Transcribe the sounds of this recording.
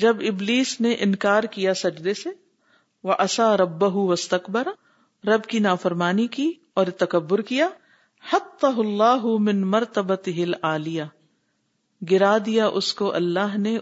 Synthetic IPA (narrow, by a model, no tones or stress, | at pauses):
d͡ʒɐbɪbliːsneʔɪ̃nkaːɾkijasɐd͡ʒd̪ese | ʋɐʔɐsaːɾɐbːɐɦʊwɐst̪ɐkbɐɾ | ɾɐbkinaːfɐɾmaːniki | ɔːɾt̪ɐkɐbːʊɾkijaː | ħɐt̪ːɑɦʊlːaːɦʊmɪnmɐɾt̪ɐbɐt̪ɪɦɪlaːlɪja | ɡɪɾaːd̪ijaʔʊskoʔɐ̰lːaːɦne